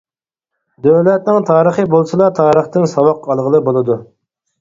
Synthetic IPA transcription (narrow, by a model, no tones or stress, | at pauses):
d̪øwlɛt̪̚nɪŋt̪ʰɑːɾəχəbolˠsɨlˠɑt̪ʰɑːɾəχt̪ɨŋsɑwɑqʰːɑlˠʁəlˠɨbolˠɨd̪u